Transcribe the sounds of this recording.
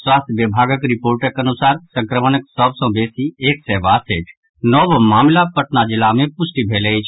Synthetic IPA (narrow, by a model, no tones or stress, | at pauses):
swaːst̪ʰjʋjəbʱaːɡəkɾɪpoːɾʈəkənʊsaːɾsə̃ŋkɾəmənəksəbsɔ̃beːsieːksɛʋaːseːʈʰ | nɔːbmaːmlapəʈnad͡ʒɪlːamẽpʊsʈibʱeːleit͡ʃʰ